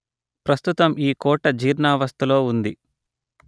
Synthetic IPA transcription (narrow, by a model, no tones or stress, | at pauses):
pɾɐst̪ut̪ɐmiːkɔːʈɐd͡ʒiːɾnaːʋɐst̪ulo̞ːund̪i